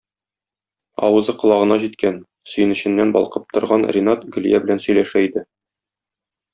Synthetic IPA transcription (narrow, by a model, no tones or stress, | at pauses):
ɒ̰wɤ̆zɤqŏlˠɑʁɤ̆nɑʑit̪kæn | sɵ̆jɘ̆nɘ̆ɕɘ̆nːænbɒ̰lˠqɤp̚t̪ŏɾʁɑnrʲɪnat̪ɡɵ̆ljæbɘ̆lænsɵ̆jlæʃæid̪ɘ